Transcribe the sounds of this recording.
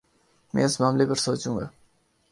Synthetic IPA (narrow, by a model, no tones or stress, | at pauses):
mḛsmaːmlepəɾsoːt͡ɕuŋɡa̰